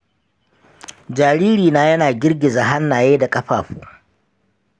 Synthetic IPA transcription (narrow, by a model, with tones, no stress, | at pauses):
d͡ʒaː˨ɽiː˦ɾiː˨naː˦jɐ˦naː˨ɡʲɪ˦rɡʲɪ˨za˨ɦa˦nːaː˨jeː˦da˨kʼɐ˦ɸaː˨ɸuː˦